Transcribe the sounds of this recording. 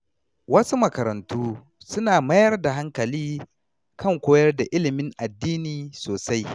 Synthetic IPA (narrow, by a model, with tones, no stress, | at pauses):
wɐ˦su˦mɐ˨kɐ˨ɾɐ˨ntuː˦ | sʊ˦naː˨mɐ˦jɐ˦rda˨ɦa˦ŋkɐ˨liː˦ | kʰɐ˦˨ŋkʷoː˦jɐ˦rda˨ʔɪ˦lɪ˨mɪ˦ŋʔa˨dːiː˦niː˨soː˨sa˦j